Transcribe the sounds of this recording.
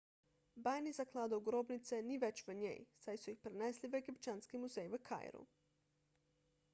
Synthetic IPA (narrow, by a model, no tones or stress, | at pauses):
bajnizaklˠad̪ouɡɾobnit̪seniʋet͡ɕʋəɲḛjsajsuixpɾeneslʲiʋeɡipt͡ʃanskimuzejʋəkʰa̰j̰ɾṵ